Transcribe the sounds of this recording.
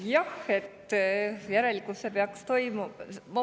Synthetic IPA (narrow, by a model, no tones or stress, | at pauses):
jɑhe̞t̪ːjæɾe̞likusːepeɑkst̪o̞jmumɑ